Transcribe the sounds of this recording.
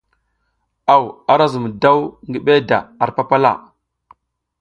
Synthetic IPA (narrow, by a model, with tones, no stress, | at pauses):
a˨wa˨ɾa˦zu˨m˨da˦wŋɡi˦ɓe˦da̰˨a˨ɾpa˦pa˦la̰˦˨